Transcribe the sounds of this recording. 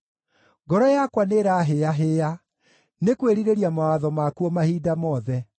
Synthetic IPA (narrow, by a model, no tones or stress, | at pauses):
ɡɔɾɔjakwaneɾaɦeaɦea | nekweɾiɾeɾiamawaðɔmakuɔmahiːdamɔðɛ